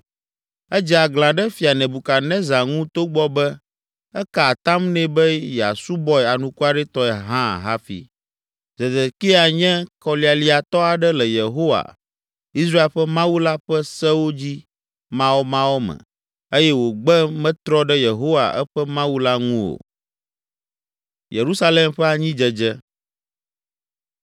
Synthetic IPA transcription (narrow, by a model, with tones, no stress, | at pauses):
ɛ˦d͡ʒi˨a˨ɡlã˨ɖɛ˦fi˨a˨nɛ̃˨bu˨ka˨nɛ̃˦za˨ŋũ˦t̪o˦ɡ͡bɔ˦bɛ˦ | ɛ˦ka˨t̪ã˦mnɛ̃˦bɛ˦jɛ˨a̰˨su˦bɔ˦ɛ˨a˨nũ˨ku˦a˨ɖɛ˦t̪ɔ˦ɛ˨ɦã̰˦˨ɦa˦fḭ˨ | zɛ˨d̪ɛ˨ki˦a˨ɲɛ̃˦kɔ˨li˨a˨li˨a˨t̪ɔ˦a˨ɖɛ˦lɛ˨je˨ɦo˦wa̰˨ | i˦s̬ɾa˦e˦˨lɸɛ˦mã˦wu˦la˦ɸɛ˦sɛ˦wo˦d͡ʑi˦ | mã˦wo˦mã˦wo˦mɛ̰̃˨ | e˦jɛ˦wo˨ɡ͡bɛ˦mɛ̃˦t̪ɾɔ˦ɖɛ˦je˨ɦo˦wa̰˨ʔɛ̰˦ɸɛ˦mã˦wu˦la˦ŋũ˦o̰˨ | je˨ɾu˦sa˦le˦mɸɛ˦a˨ɲĩ˦d͡ʒɛ˦d͡ʒɛ˦